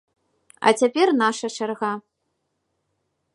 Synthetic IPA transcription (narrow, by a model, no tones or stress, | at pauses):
ɐ̰t͡sʲapʲɛrnaʂɐt͡ʂarɣa